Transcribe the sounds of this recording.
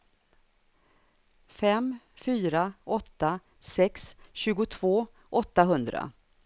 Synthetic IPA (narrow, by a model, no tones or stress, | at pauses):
fɛm | fyːɾaɔt̪ːa | sɛksɕʉ̟ːɡʊt̪ʰv̥oː | ʔɔt̪ːaɦɵnd̪ɾa̰